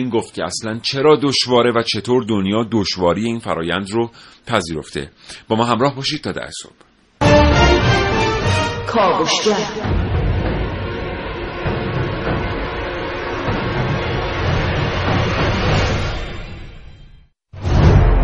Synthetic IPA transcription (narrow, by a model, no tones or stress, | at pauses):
iːnɡoːft̪̚cʰeæslænt͡ʃʰe̞ɾɒːd̪oʃvɒːɾe̞væt͡ʃʰe̞t̪ʰoːɾd̪onjɒːd̪oʃvɒːɾijeiːnfæɾɒ̰ːjænd̪ropʰæziːɾo̞ft̪ḛb̥ɒːmɒːɦhæmɾɒːhbɒːʃiːd̪̚t̪ʰɒːd̪æ̰hso̰b̥ | kʰɒːɡoʃɡæɾ